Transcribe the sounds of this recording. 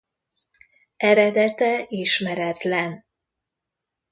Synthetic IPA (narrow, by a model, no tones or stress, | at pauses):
ɛɾɛd̪ɛt̪ɛiʃmɛɾɛt̪lɛn